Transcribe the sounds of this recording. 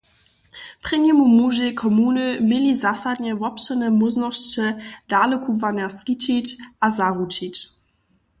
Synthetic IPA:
pʁ̥ɪɲɛmumuːʒekʰɔmuːnəmɪlizasadɲɛvɔpʃənəmʊznɔʃt͡ʃədaːləkʰuvanɛʁskit͡ʃit͡ɕʔazaʁut͡ʃit͡ɕ

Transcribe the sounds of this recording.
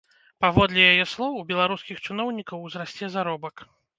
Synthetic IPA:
pavɔd̪lʲɛjajɛslˠɔwbʲɛlˠaɾuskʲixt͡ʂɨnɔwnʲikɐwzɾasʲt͡sʲɛzaɾɔbɐk

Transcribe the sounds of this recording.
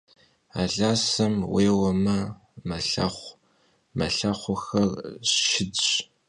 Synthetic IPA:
a̰ːɮaːsɐmweːwɐmɐ | mɐɬɐ̰χʷ | mɐ̰ɬɐχʷʊxɐrʃɪdɕ

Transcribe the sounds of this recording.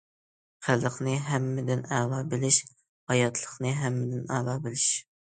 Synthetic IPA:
χʰælˠəqnɨɦɛmːɪd̪ɪnæːlɑbɪlɪʃ | hɑjɑt̪ʰlˠəχnɨɦæmːɪd̪ɪnæːlˠɑːbɪlɪʃ

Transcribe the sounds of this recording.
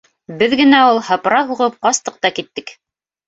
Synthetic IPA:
bɘðɡɘ̆næulˠhɤ̆pɾɑɦuʁɤp̚qɑst̪ɤq̚t̪ɑkit̪ːɘk

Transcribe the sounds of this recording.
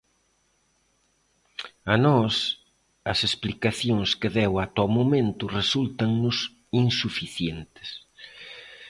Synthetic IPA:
ɐnɔs | ɐsesplikaθjoŋskɪðɛwat̪ɔmomẽnt̪ʊresult̪ɐŋnʊs | insufiθjent̪ɪ̥s

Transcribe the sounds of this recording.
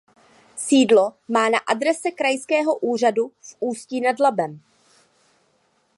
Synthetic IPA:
siːdlo̞maːnaʔadɾɛsɛkɾajskɛːɦo̞ʔuːr̝adufʔuːsciːnadlabɛm

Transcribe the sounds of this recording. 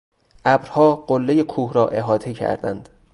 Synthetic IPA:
ʔæbɾhɒːɢolːejekʰuːhɾɒːʔe̞ɦɒːt̪ʰecʰæ̰ɾd̪æ̰nd̪̥

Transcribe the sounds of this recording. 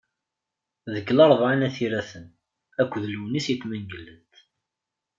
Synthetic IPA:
ðəɡːlɑɾˤðʕanæθiɾæθən | ækʷːðluwnisjət̪ːmæŋɡəlːənt̪

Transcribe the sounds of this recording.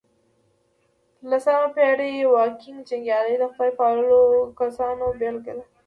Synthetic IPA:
lasamapeɽewɑkɪŋɡd͡ʒɪŋɡjɑd̪əjd̪əxpajpɑləlokasɑnobelɡəla

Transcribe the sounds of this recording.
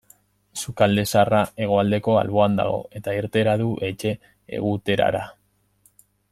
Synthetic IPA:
sukald̪e̞sarae̞ɣ̞o̞ald̪e̞ko̞a̰lβo̞and̪a̰ɣo̞̰e̞t̪aiɾt̪e̞ɾaðuʔe̞t͡ʃe̞̰ː | ɣ̞ut̪e̞ɾa̰ɾa

